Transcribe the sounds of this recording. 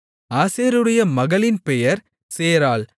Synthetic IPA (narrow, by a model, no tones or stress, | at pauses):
aːseːɾɯɽɐjɐmɐɣɐɭɪnpɛjɐɾ | seːɾaːɭ